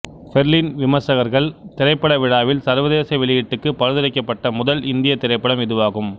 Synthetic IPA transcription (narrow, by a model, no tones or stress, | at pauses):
fɛɾlinʋɪmɐsɐɣɐɾɣɐɭt̪ɪɾɐɪpːɐɽɐʋɪɻaːʋɪlsɐɾʋɐðeːsɐʋɪɭɪjɪʈːɯkːɯpɐɾɯðɐɾɐɪkːɐpːɐʈːɐmʊðɐlɪnd̪ɪjɐt̪ɪɾɐɪpːɐɽɐmɪðɯʋaːɣɯm